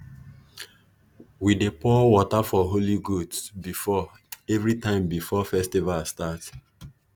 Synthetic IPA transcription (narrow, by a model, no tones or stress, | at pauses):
widepɔwɔtafɔɦoliɡudsbifɔ | ɛvɹitãɪ̃mbifɔfɛstivalstat